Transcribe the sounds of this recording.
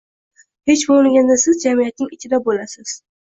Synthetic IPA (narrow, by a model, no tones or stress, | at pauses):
he̞t͡ʃbolɪŋɡʲand̪asɪzd͡ʒamijat̪̚nɪŋɪt͡ʃʰɪd̪abolasɪz̥